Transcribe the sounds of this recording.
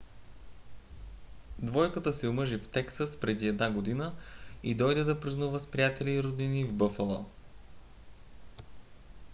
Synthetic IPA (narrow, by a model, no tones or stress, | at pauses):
d̪vɔjkət̪əsɛʊmɤʒift̪ɛksəspɾɛd̪iɛd̪naɡod̪inəid̪ɔjd̪ɛd̪ɐpɾiznuvəspɾijat̪ɛliːɾod̪inivbɤfəlˠɔ